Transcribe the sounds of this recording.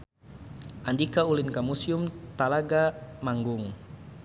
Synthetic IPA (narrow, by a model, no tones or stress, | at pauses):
ʔandikaulɪnkamusiʊmt̪alaɡamaŋɡʊŋ